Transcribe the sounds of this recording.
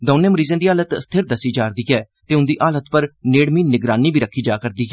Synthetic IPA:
d̪oːnẽːməɾiːzẽːd̪iːɦaːlət̪st̪ʰeɾd̪əsiːd͡ʒaːɾd̪iːɡɛː | t̪eːʊnd̪iːʔaːlət̪pəɾneːɽmiːnɪɡɾaːniːbʱiːɾəkʰːiːd͡ʒaːkəɾd̪iːɦɛ

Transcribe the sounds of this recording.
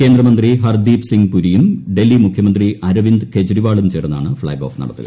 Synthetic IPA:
ke̞ːnd̪rɐmɐnd̪riɦɐrd̪iːbsiŋɡpuɾijumɖe̞lːimukʰjɐmɐnd̪riʔɐɾɐʋind̪ke̞d͡ʑɐɾiʋaːɭumt͡ɕeːrɐnːa̰ːɳɨfɭɐ̰ːɡoːfnɐ̰ɽɐt̪ːḭl

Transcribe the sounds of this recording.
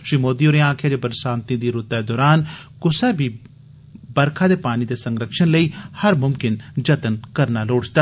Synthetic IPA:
ʃɾiːmoːd̪iːoːɾeãːkʰjaːd͡ʒebəɾsãːnt̪ĩːd̪iːɾʊt̪ɛːd̪ɔːɾaːnkʊsɛːbʱiː | bəɾkʰaːd̪eːpaːniːd̪eːsəŋɡɾəkʃənləiːhəɾmʊmkɪnd͡ʒət̪ənkəɾnaːloːɽd͡ʒt̪aː

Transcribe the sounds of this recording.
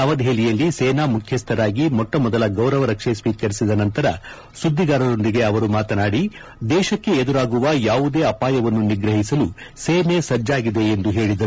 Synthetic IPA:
ɐʋɐd̪ɦeːlijɐlːiseːnaːmukʰjɐst̪ʰɐɾaːɡimɔʈːɐmɔd̪ɐlɐɡɐwɾɐʋɐɾɐkʂesʋiːkɐɾisid̪ɐnɐnt̪ɐɾɐ | sud̪ʱːiɡaːɾɐd̪o̞nd̪iɡe̞ɐʋɐɾumaːt̪ɐnaːɽi | d̪ɛːʃɐkːe̞ed̪uɾaːɡuʋɐjaːʋud̪e̞ːɐpaːjɐʋɐnːuniɡɾɐɦisɐluseːmesɐd͡ʒːaːɡid̪e̞ːnd̪uɦe̞ːɭid̪ɐɾu

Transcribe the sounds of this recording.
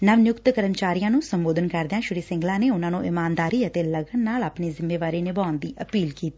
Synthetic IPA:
nəʋnjʊkt̪kəɾəmt͡ʃaːɾijãːnũːsəmboːd̪ənkəɾd̪eãːʃʊɾiːsɪ̃ŋɡlãːneːʊnãːnũːʔɪmaːnd̪aːɾiːət̪eːləɡənːaːlaːpneːzɪmːeːʋaːɾeːnɪbaːʊnd̪iːʔəpiːlkiːt̪iː

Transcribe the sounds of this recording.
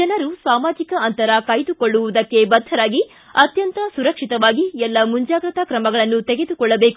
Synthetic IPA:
d͡ʒɐnɐɾusaːmaːd͡ʒikɐɐnt̪ɐɾɐkɐjd̪ukoɭːuʋud̪ɐkːe̞bɐd̪ʱːɐɾaːɡi | ɐt̪jɐnt̪ɐsuɾɐkʂit̪ɐʋaːɡiɛlːɐmuɲd͡ʒaːɡɾɐt̪ɐkɾɐmɐɡɐɭɐnːut̪eɡe̞d̪ukɔɭːɐbe̞ːku

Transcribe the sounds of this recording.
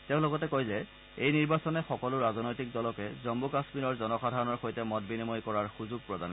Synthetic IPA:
teʊ̃lɔɡɔtɛkojzɛ | ejniɹbasɔnɛxɔkɔlʊɹazɔnojtik̚dɔlɔkɛzɔmbukasmiɹɔɹzɔnɔxadʱaɹɔnɔɹxojtɛmɔtbinimɔjkɔɹaɹxuzuɡ̚pɹɔda̰n

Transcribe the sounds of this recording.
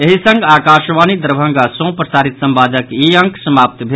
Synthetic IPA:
eɦisə̃ŋɡakaʃʋanid̪əɾbʱə̃ŋɡasõpɾəsaɾit̪səmbad͡ʒəkiə̃ŋksəmap̚t̪bʱe

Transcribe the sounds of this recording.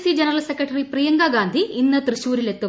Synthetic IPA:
sid͡ʒɐnɐɾɐlsekɾɐʈɐɾipɾijɐŋɡaːɡaːnd̪ʱiinːɐt̪ɾɨɕuːɾile̞t̪ːu

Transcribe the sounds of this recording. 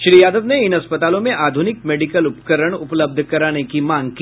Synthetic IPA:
ʃɾiːjaːd̪əʋneɪnɐspət̪aːlõmẽʔaːd̪ʱunɪk̚meːɖikəlʊpkəɾəɽ̃ʊpləb̚d̪ʱkɐɾaːnekimãːŋɡ̚ki

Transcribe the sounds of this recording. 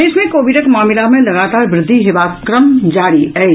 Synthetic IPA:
esmẽkoːʋɪʈəkmaːmɪlamẽlɐɡaːt̪aːɾʋɾɪd̪ʱːiɦɪʋaːkɾəmd͡ʒaːɽiɦɛ

